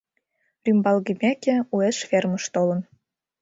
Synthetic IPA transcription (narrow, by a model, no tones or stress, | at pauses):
rymbɑlɣimʲækĕueʃfermə̆ʃt̪olɤ̆n